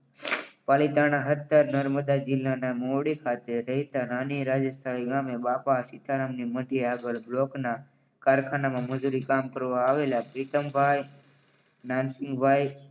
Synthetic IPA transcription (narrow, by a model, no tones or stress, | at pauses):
palit̪aɽ̃aɦət̪ːəɾnəɾməd̪ad͡ʒɪlːanamoɽikʰat̪eɾəɦit̪ananiɾad͡ʒəst̪ʰəɭiɡamebapasit̪ʰaɾəmniməʈiaɡəɭblokna | kaɾkʰanamãməd͡ʒuɾikamkəɾʋaːʋelapɾit̪əmbʱaj | nansɪ̃ŋɡbʱaj